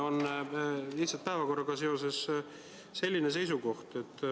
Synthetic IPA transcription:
o̞n | liht̪sɑlt̪pæevɑko̞rːɑɡ̥ɑse̞o̞se̞s | se̞lʲːines̬e̞js̬uko̞ht̪e̞t̪ːˑ

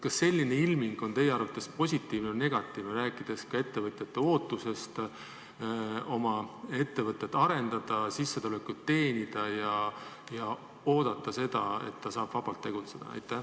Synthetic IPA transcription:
kɑsːe̞lʲːine̞ilmiŋɡ̥o̞nt̪e̞jeɑɾrvɑt̪ːˑe̞spo̞sʲit̪ːˑiːvnene̞ɡ̥ɑt̪ːˑiːvneɾæːkːˑid̪̥e̞skɑe̞t̪ːe̞vɤt̪jɑt̪ːˑe̞o̞ːt̪ːˑuse̞st̪ | o̞mɑe̞t̪ːevɤt̪ʲːˑet̪ːˑɑɾe̞nd̪̥ɑd̪̥ɑsisːe̞t̪ulekːut̪ːe̞ːnʲid̪̥ɑjɑ | jɑ | o̞ːd̪̥ɑt̪ːˑɑse̞d̪ɑe̞̰t̪ːɑsɑːb̥vɑb̥ɑlt̪ːe̞ɡ̥ut̪se̞d̪̥ɑ̰ɑ̰jt̪ːˑæ

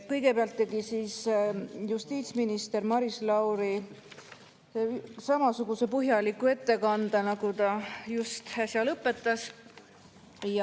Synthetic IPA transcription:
kɤjɡ̥e̞peɑlt̪ːe̞ɡisiːsjust̪iːt̪sminist̪e̞rmɑɾislɑwɾi | sɑmɑsuɡ̥use̞pɤɦjɑlikːue̞t̪ːe̞kɑnd̪ɑnɑɡut̪ɑjust̪ɑsʲjɑlɤpːˑe̞t̪ːˑɑs | j

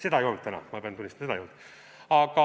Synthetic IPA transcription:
se̞d̪ɑejo̞lnd̪̚t̪ænɑ̰mɑpeɑnt̪unʲist̪mseɑ̰eolnd̪̥ | ɑkɑ

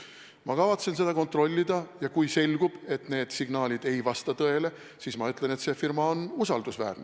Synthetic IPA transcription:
mɑkɑvɑt̪se̞nse̞d̪̥ɑkont̪ro̞lʲːid̪ɑjɑkujse̞lʲɡ̥ub̥e̞t̪ˑne̞ːd̪̥siɡ̥nɑːlʲid̪̥e̞jvɑst̪ɑt̪ɤe̞le̞ | siːsmɑyt̪ˑle̞ne̞t̪se̞firmɑo̞nusɑld̪usvæ̰ːrne

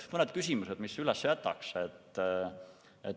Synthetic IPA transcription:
mɤned̪̥̚kysʲimused̪̥misylɛsːjæt̪ːˑɑ̰kset̪ːˑ | et

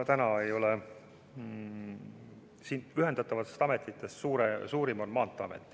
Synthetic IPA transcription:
ɑt̪ænɑe̞jo̞le | siːnyɦe̞nd̪̥ɑt̪ːˑɑvɑt̪ːˑest̪ɑme̞t̪ˑːit̪ːˑe̞st̪suːɾesuːɾimonmɑːnt̪ːˑɑɑmḛt̪ːˑi̥

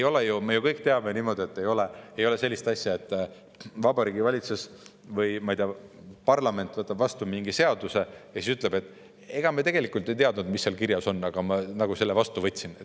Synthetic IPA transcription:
ejo̞lejumejukɤjkt̪e̞ɑbeniːmo̞d̪ʲie̞t̪ːe̞jo̞lee̞jo̞le̞se̞lʲːist̪ɑsʲjɑe̞t̪ːˑ | vɑbɑɾiːɡ̥ivɑlʲit̪sus | vɯjmɑijt̪eɑpɑrlɑme̞nt̪ːˑvɤt̪ːˑɑb̥vɑst̪umiŋɡise̞ɑd̪̥use̞jɑsisyt̪ˑle̞be̞t̪ːˑ | e̞ɡ̥ɑmet̪e̞ɡ̥e̞likˑult̪ːˑe̞jt̪eɑd̪nud̪misːeɑlkiɾjɑso̞nːɑɡ̥ɑmɑnɑɡ̥use̞lːe̞vɑst̪uvɤt̪ʲsinet̪ː

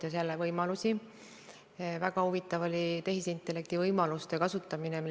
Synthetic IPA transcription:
ɑse̞lːevɤjmɑlusi | væɡɑhuvit̪ːˑɑvo̞lʲit̪e̞ɦisint̪ːˑe̞lːe̞k̚t̪ivɤjmɑlust̪e̞kɑsut̪ːˑɑminemi

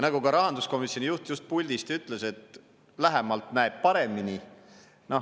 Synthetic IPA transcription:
nɑɡukɑɾɑɦɑnd̪usko̞misːjo̞nijuht̪just̪̚pulʲd̪̥ist̪yt̪ːˑle̞se̞t̪ | læɦemɑlt̪næeb̥̚pɑɾe̞mini | no̞

